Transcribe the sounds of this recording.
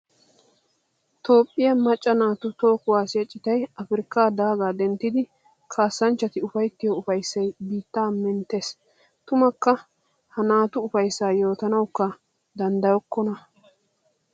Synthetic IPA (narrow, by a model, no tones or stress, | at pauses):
t̪o̞ːpʼːɪjɐmɐt͡ʃʼːɐnaːt̪ʊt̪o̞ːkʊwaːsɪjɐt͡ʃʼːɪt̪ɐjɐfɪɾɪkːaːd̪aːɡaːd̪ɛnt̪ːɪd̪ɪ | kʰaːsːɐnt͡ʃːɐt̪ɪʊfɐjt̪ːɪjoʊfɐjsːɐjbiːt̪ːaːmɛnt̪ːes | t̪ʊmɐkːɐ | hɐnaːt̪ʊːfɐjsːaːjo̞ːt̪ɐnɐwkːɐ | d̪ɐnd̪ɐjɔkːɔnɐ